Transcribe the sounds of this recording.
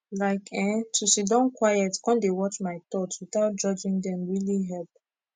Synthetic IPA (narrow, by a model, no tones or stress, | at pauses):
laɪkʰɛ̃ntʰuʃidɔ̃nkʰwajɛtkɔ̃ndewɔt͡ʃmaɪt̪ɔtwiθaʊt̚d͡ʒɔd͡ʒĩŋdɛ̃mɹiliɦɛlp̚